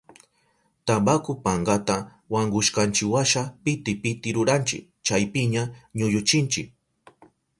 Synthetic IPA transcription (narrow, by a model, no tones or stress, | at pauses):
t̪abakʊpaɴɢat̪a | waŋɡʊʃkant͡ʃɪwaʃapɪt̪ɪpɪt̪ɪɾʊɾant͡ʃɪ̰k̚ | t͡ʃajpɪɲaɲʊʎʊt͡ʃɪnt͡ʃɪk̚